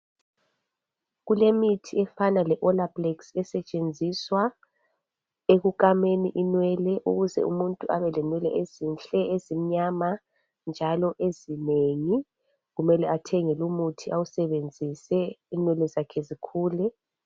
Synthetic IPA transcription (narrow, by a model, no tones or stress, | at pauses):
ɣulemitʰiɛfanalɛʔɔlablɛksɛsɛt͡ʃʼend͡zʱiswa | eɣukʼameniʔinwɛlɛʔṵɣuzɛ̰ṵmuntʼuʔaβɛlɛnwɛlɛ̰ʔezinɬʼɛezim̩ɲama | nd͡ʒʱalɔʔezineŋi | ɣumɛlɛatʰɛŋɛlumutʰiawusɛβend͡zʱisɛinwɛlɛzakʰɛzikʰuːlɛ